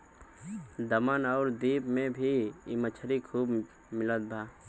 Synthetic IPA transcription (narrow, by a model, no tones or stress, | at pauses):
d̪əmənɔːɾd̪iːbmẽbʱiɪmət͡ʃʰəɾikʰuːb | mɪlət̪̚bʱaː